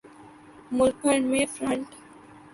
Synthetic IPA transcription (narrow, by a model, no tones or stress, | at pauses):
mʊlpʰəɳɖmẽfɾə̃ɳʈ